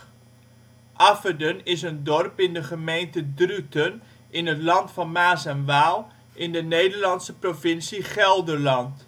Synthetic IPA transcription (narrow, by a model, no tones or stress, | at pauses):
ʔafədənɪs̬əndɔrpɪndəχəmejntədrytən | ɪnətlɑntfɑnmaːsɛnʋaːlˠ | ʔɪndənejdəɹlɑnsəprovɪnsiχɛlˠdərlɑnt